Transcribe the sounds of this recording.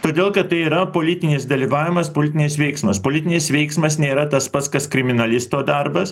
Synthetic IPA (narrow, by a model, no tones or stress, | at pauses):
t̪oːd̪ʲeːlˠkɐt̪t̪ːɐɪiːɾɐpoːlʲɪtt̪ʲɪnʲɪsd̪ɐlʲiːʋɑːʋʲɪmɐspoːlʲɪt̪ʲɪnʲɪs̬ʋʲɛɪksmɐspoːlʲɪt̪ʲɪnʲɪsʋʲɛɪksmɐsnʲeːɾɐt̪ɐspɐt̪skɐskɾʲɪmʲɪnɐlʲɪst̪oːd̪ɐɾbɐs